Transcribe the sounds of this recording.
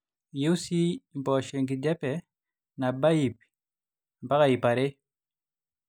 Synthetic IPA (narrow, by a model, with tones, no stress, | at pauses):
je˦u˦si˦mpɔ˨ʃe˨ŋɡi˨d͡ʒɛ˦pɛ˨ | na˨ba˦i˨p | m˨pa˦ka˨i˨pa˨ɾe˦